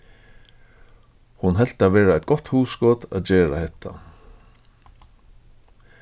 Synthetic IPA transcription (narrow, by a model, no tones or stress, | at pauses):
hʊnɦɛl̥t̪aʋɛːɹaɛt̪̚ɡ̥ɔt̪huːsɡɔːt̪a̰ðd͡ʑeːɹa̰hɛt̪ʰa̰